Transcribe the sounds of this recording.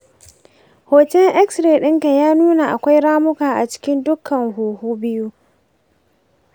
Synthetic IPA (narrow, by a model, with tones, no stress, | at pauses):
hoː˨tɛ˦lʔɛ˦ksɾeː˨ɗɪ˦ŋka˨jaː˦nuː˦na˨ʔa˨kʷa˦jɽaː˦mʊ˦kaː˨ʔa˨t͡ʃɪ̥˦kʲɪ˦ndʊ˦kʰːɐ˨ŋhuː˨huː˦bɪ˦ju˦